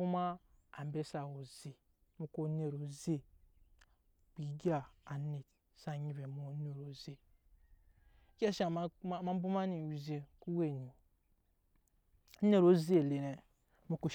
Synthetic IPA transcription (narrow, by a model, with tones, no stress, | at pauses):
u˦ma˦a˨m˨˦be˦sa˨wo˨ze˨ | mu˨ko˦ne˨ɾo˨ze˦˨ | k͡pi˨˦ɡi˦a˨a˨ne˨t | sa˦˨ɲi˨ve˨mu˦˨˦n˦e˨ɾo˨ze˨˦ | kʲa˦ʃa˨ma˦bu˦ma˦ni˨wi˨ze˨ku˦we˦˨ni˨˦ | ne˦˨ɾo˨˦zi˦e˨le˨ne˨ | mu˨ku˨